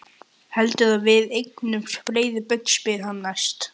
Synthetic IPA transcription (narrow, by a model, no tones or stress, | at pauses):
hɛlt̪ʏðavɪðejknʏmspɾeːjðɪpʏk̚n̥spɪð̥hanːḁst̪